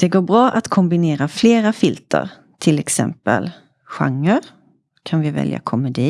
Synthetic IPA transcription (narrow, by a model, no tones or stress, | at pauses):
d̪̥ɛɡoːɾbɾɑːʔat̪kʰɔmbɪneːɾafleːɾafɪlt̪ʰə̰ɾ | t̪ʰɪlɛksɛ̰mpə̰l | ɧa̰ŋːəɾ | kʰanvɪvɛ̰lja̰kʰɔmɛd̪iː